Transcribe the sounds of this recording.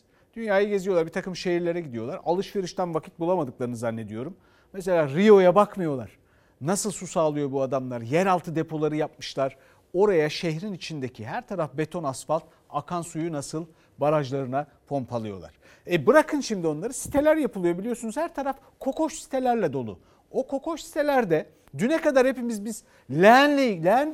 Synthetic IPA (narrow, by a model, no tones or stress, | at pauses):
d̪̥ynjaːjaɟe̞zioaɾbit̪ʰakɯmʃeɦiɾlʲe̞ɾɛɟid̪ijo̞lˠaɾalˠɯʃve̞ɾɯʃt̪ʰænvakʰi̥t̪̚bulˠamad̪ɯklˠaɾɯnɯzanːe̞d̪ijo̞ɾum | mes̬elʲaːɾijo̞jabakmɯjo̞lˠa̰ɾ̥ | nasɯlˠsusaːlˠɯjo̞buad̪amlˠaɾjɛɾalˠt̪ʰɯd̪e̞pʰo̞lˠaɾɯjap̚mɯʃlˠaɾ̥ | o̞ɾajaʃehɾinit͡ʃʰind̪ecʰiɦæɾt̪ʰaɾafbe̞t̪ʰo̞nasfalˠt̪̚ | akʰansujunasɯlˠ | baɾaʒlˠaɾɯna | pʰo̞mpʰalˠɯjo̞̰lˠa̰ɾ̥ | ɛbɯɾakʰɯnʃimd̪io̞nlˠaɾɯsi̥t̪ʰe̞lʲæɾjapɯlˠɯjabilʲijo̞sunuzhæɾt̪ʰaɾaf | kʰo̞kʰo̞ʃsi̥t̪ʰelʲæɾlʲɛd̪o̞lˠṵ | okʰo̞ko̞ʃsi̥t̪ʰe̞lʲæɾd̪ɛ | d̪ynɛkad̪aɾhepimizbiz̥ | lʲɛnʲelʲɛn